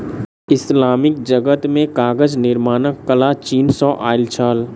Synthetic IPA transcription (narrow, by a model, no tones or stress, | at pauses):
ɪslaːmɪk̚d͡ʒəɡət̪mẽkaːɡəd͡ʒnɪɾmaːnəkːəlat͡ʃiːnsɔ̃ːʔaːɪlt͡ʃʰaːl